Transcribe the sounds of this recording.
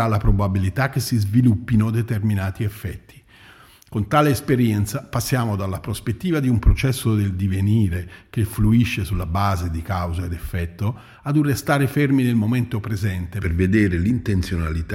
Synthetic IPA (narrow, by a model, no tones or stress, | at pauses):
alːapɾobabilit̪ak̟ːesːizvilupːinod̪et̪erminaːt̪iɛfːɛt̪ːi̥ | kont̪aːleːspeɾjɛnt̪sapasːjaːmod̪alːapɾospet̪ːiːvad̪iumpɾot͡ʃɛsːod̪eld̪iveniːɾekefluiʃːesulːabaːzed̪ikawzaed̪efːɛt̪ːo | ad̪urːest̪aːɾeferminelmoment̪opɾezɛnt̪eperved̪eːɾelint̪ent̪sjona̰lit̪